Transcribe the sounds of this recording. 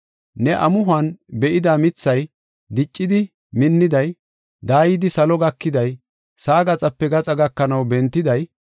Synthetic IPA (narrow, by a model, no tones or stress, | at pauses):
nɛʔɐmʊɦʊɐnbɛʔɪd̪aːmɪt͡sːɐj | d̪ɪt͡ʃʼːɪd̪ɪ | mɪnːɪd̪ɐj | d̪aːjɪd̪ɪsɐlɔɡɐkːɪd̪ɐj | saːɡɐt͡sʼɐpːɛɡɐt͡sʼɐɡɐkːɐnɐwbɛnt̪ːɪd̪ɐj